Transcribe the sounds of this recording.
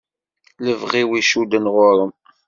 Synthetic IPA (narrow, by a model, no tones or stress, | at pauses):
ləvʁiwiʃud̪ənʁʊɾˤəm